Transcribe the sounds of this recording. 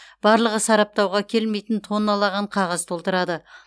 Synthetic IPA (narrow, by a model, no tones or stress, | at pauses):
b̥ɑɾlˠəʁəsɑɾɑp̚t̪ɑwʁɑkʲʰe̞lme̞jt̪ənt̪ʰo̞nɑlˠɑʁɑɴqʰɑʁɑzt̪ʰo̞lˠt̪əɾɑd̪ə